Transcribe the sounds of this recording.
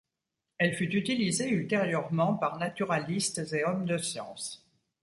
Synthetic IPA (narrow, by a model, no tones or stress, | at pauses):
ɛlfyt̪yt̪ilizeylt̪eʁjœʁmɑ̃paʁnat̪yʁalist̪zeɔmd̪əsjɑ̰̃s